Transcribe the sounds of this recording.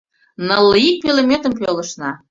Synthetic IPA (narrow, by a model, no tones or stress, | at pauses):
nəlˠːəik̚pʲelemʲet̪ə̆mpølə̆ʃnɑ